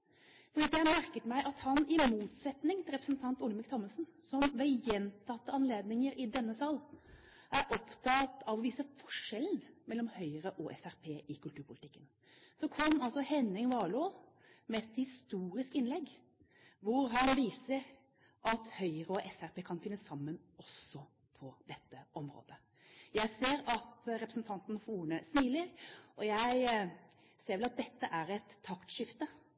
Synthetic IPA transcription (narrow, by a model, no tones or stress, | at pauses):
fɔɾɖiːd̪ɛæmæɾkət̪mæɪʔɑt̪hɑnɪmuːt̪sɛt̪nɪŋt̪ʰɪlɾɛpɾəsnt̪ʰɑnt̪ʊlmɪkt̪ʰɔmːəsnsɔmʋɛjɛnt̪ʰɑt̪ːəɑnleːd̪nɪŋəɾɪd̪ɛnːəsɑːl | ʔæɾʔɔpt̪ʰɑt̪ʰɑʋɔʋiːsəfɔʂɛln̩mɛlːɔmhœʏəɾəʔɔʔɛfæɾpʰeːʔɪkʰʉlt̪ʉːɾpʰʊlt̪ɪkːən | sɔkʰɔmːɑlsɔhɛnɪŋʋɑːɭu | mɛɛt̪hɪst̪uːɾɪskɪnlɛɡː | ʋʊɾɦɑnʋiːsəɾ | ʔɑt̪hœʏəɾəɔʔɛfæɾpʰeːkʰɑnfɪnːəsɑmːən | ɔsɔ | pʰɔd̪̥ɛt̪ːəʔɔmɾo̰ːd̪ə | jæɪseːɾɑt̪ɾɛpɾəsnt̪ʰɑnt̪n̩fɔuːnəsniːləɾʔɔjæɪ | seːɾʋɛlɑt̪̚d̪ɛt̪ːəʔæɾɛt̪ʰːɑkt̪ʃɪft̪ə